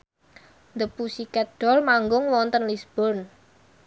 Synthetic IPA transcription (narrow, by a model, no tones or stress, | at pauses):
nd̪əpusikɛɖ̥ɔ̤lmaŋɡʊŋwɔnt̪ənlisb̥ɔrn